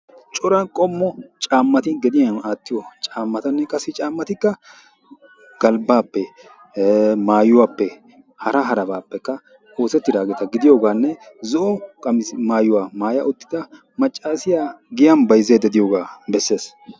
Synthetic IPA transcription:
t͡ʃʼɔɾɐnkʼɔmːɔt͡ʃʼaːmːɐt̪ɪɡɛd̪ɪjɐnaːt̪ːɪjɔt͡ʃʼaːmːɐt̪ɐnːɛkʼɐsɪt͡ʃʼaːmːɐt̪ɪkːɐ | ɡ̥ɐlbaːpːɛ | maːjʊwaːpːɛ | hɐɾɐɦɐɾɐbaːpːɛkːɐ | o̞ːsɛt̪ːɪd̪aːɡeːt̪ɐɡɪd̪ɪjoːɡaːnːɛzɔʔɔkʼɐmɪmaːjːʊwaːmaːjɐʔʊt̪ːɪ̥d̪ɐ | mɐt͡ʃʼːaːsɪjaːɡɪjɐnbɐjzeːd̪ɛd̪ɪjoːɡaːbɛsːe̞ːs

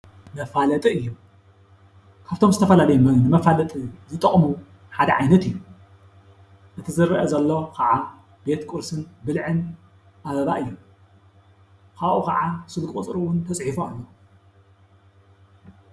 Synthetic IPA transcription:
mɐfalɐt̪ʼiɨjːu | kʰaβt̪ʰo̞mzɨt̪ʰɐfɐlalɐjumɐnɨmɐfalɐt̪ʼizɨt̪ʼɐχʼmu | ħad̪ɐʕajnɐt̪ɨjːu | ʔɨt̪ʰizɨɾːʔɐzɐlːo̞kʰɐʕa | b̥e̞t̪kʼuɾsɨnbɨlʕɨn | ʔaβɐβaʔɨjːu | kʰaβʔukʰɐʕasɨlkʼkʼut͡sʼɾuwʊnt̪ʰɐt͡sʼħifoalːo

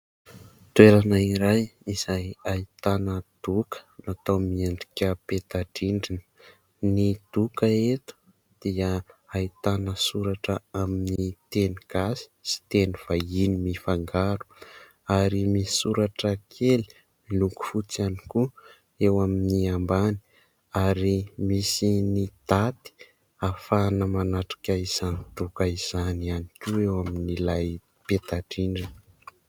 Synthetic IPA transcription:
t̪weɾanaiɾajiz̥ajait̪anəd̪̥ukə̥nat̪owmiaɳɖ͡ʐikʲəpet̪aɖ͡ʐiɳɖ͡ʐinə̥ | nid̪̥ukəet̪u̥ | d̪̥iəait̪anəsuɾaʈ͡ʂəaminit̪eniɡ̥asi̥si̥t̪eniv̥ainimifaŋɡaɾu̥ | aɾimisisuɾaʈ͡ʂəkʰeli̥ | iluku̥fut͡saniku | ewaminiambani̥ | aɾimisinid̪̥at̪i̥ | afanəmanaʈ͡ʂḁkʲaiz̥anit̪ukaiz̥anianikʲuewaminilaj | pet̪aʈ͡ʂiɳɖ͡ʐin

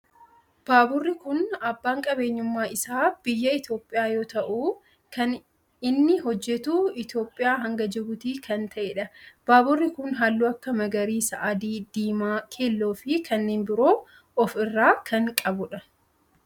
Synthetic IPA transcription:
b̥aːbʊrːɪkʊnɐbːaːŋkʼɐbe̞ːɲːʊmːaːʔɪsaːb̥ɪjːɐɪt̪jo̞ːpʼːɪjaːjo̞ːt̪ɐʔuː | kʰɐn | ɪnːɪɦɔd͡ʒːɛt̪uːɪt̪jo̞ːpʼːɪjaːɦɐŋɡɐd͡ʒɛbʊt̪iːkɐnt̪ʰɐʔeːᶑɐb̥aːbʊrːɪkʊnɦaːlːuːɐkːɐmɐɡɐɾiːsɐ̰ʔɐd̪iːd̪iːmaːkʰeːlːoːfɪkʰɐnːeːnbɪɾo̞ː | ɔfɪrːaːkʰɐŋkʼɐbʊᶑɐ

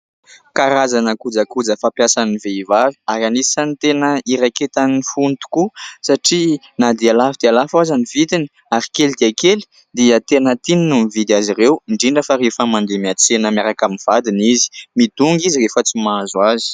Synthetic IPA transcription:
kaɾazanakud͡zakud͡zəfapjasaniveivavi̥aɾanisant̪enəiɾaket̪anifunt̪u̥kusaʈ͡ʂi | nad̪ialafid̪ialafazanivit̪ini̥ | aɾi̥kelid̪iakeli̥ | d̪iət̪enət̪ininumivid̪iazirewiɳɖ͡ʐiɳɖ͡ʐəfaɾefəmand̪emiat͡senəmjaɾakaminv̥ad̪inizi̥mid̪̥uŋɡizirefət͡simazwazi̥

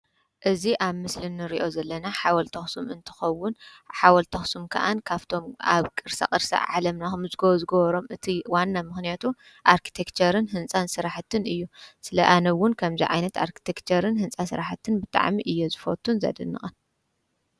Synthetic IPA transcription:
ʔɨziʔaβmɨslɨnːɨɾiʔo̞zɐlːɐnaħawɐlt̪ʰɐxsumɨnt̪ʰɨ̥xɐwːʊnħawɐlt̪ʰɐxsumkʰɐ̰ʔankʰaβt̪ʰo̞maβkʼɨɾsa̰kʼɨɾsa̰ʕalɐmnaxmzɨɡɐβzɨɡɐβɐɾo̞mɨt̪ʰiwanːamɨxnijat̪ʰu | ʔaɾkʰi̥t̪ʰekt͡ʃʰɐɾɨnɦɨnsʼansɨɾaħt̪ʰːɨnɨjːusɨlɐʔanɐwːʊnkʰɐmziʕajnɐt̪a̰ɾkʰi̥t̪ʰekt͡ʃʰɐɾɨnɦɨnsʼasɨɾaħt̪ʰːɨnbɨt̪ʼa̰ʕmiʔɨjːozɨfot̪ʰːunzɐ̰d̪ɨnːɨ̰χʼɐn

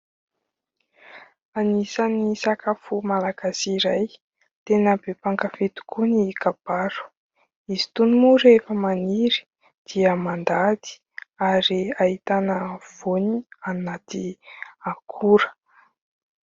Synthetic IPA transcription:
anisanisakafumalaɡ̥asiɾaj | t̪enəbepaŋkafet̪u̥kʰunikab̥aɾu̥ | izi̥t̪unumuɾefəmaniɾi̥ | d̪̥iəmand̪ad̪i̥ | aɾiait̪anəv̥onianat̪iakʰuɾə̥

